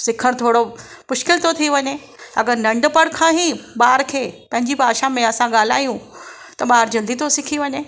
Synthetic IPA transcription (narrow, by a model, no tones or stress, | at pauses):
sɪkʰəɽ̃t̪ʰoːɽo | mʊʃkɪlt̪ʰot̪ʰiʋɐɲe | ɐɡəɾnɐ̃ɳɖpɐɽkʰãːɦĩɓaːɾkʰeːpɐ̃ɦɪɲd͡ʑipaːʃamẽɐsãɠaːl̤a̰ːjũ | t̪ɐɓaːɾd͡ʑɐld̪it̪ʰosɪkʰiʋɐɲe